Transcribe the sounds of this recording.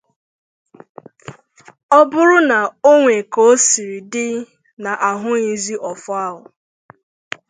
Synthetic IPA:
ɔ˦bʊ˦ɾʊ˦na˨o˦ŋʷe˨ko˨o˦si˨ɾi˨dɪ˦ | na˨ʔa˨ɦʊ˦i˨zi˦ʔɔ˨fɔ˦a˦ɦʊ˨

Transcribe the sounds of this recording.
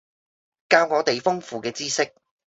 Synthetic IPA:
kaː˧wŋɔː˨˧t̪e˨jfʊ˥ŋfuː˨kɛː˧t͡siː˥sɪ˥k̚

